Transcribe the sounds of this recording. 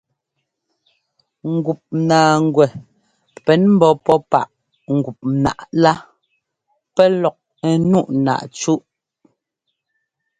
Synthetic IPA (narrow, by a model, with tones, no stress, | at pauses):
ŋ̩˨ɡu˨p̚naː˨ŋ˨ɡwɛ˨ | pɛ˨˦nm̩˦bɔ˨pɔ˦pa̰˦˨ʔ | ŋ̩˨ɡu˨p̚na̰˨ʔla˦ | pɛ˦lɔ˨k̚ | ɛ˨nu˦˨ʔna̰˨ʔt͡ʃu˦ʔ